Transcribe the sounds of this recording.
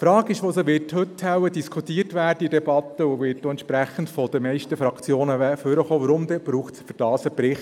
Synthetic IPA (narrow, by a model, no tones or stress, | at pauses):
fɾɑːɡɪʃʋoːsəʋɪːthɵthɛwədiskʰut̪ːiːərtʋæːɾdəidɛbɑt̪ːəʊʋɪːt̚doːɛntʃpɾæχən̩tfɔd̪əmɛɪʃtəfɾɑkt͡sjoːnəɛføɾəχoːʋəɾʊmd̪ɛb̥ɾuːχtsfyd̥ɑːsəpɾɪχt